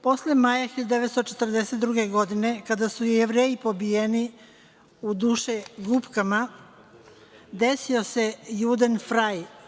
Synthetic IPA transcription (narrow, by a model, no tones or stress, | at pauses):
po̞slemajaxiʎad̪d̪eʋet̪st̪ot͡ʃet̪r̩d̪ese̞t̪d̪ɾuɡe̞ɡo̞d̪ine̞kad̪asujeʋɾeːjipo̞bijeni | ud̪uːʃeɡupkama | d̪esio̞se̞jud̪enfɾaj